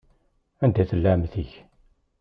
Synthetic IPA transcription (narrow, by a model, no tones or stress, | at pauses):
ænd̪æθəlːæmθiç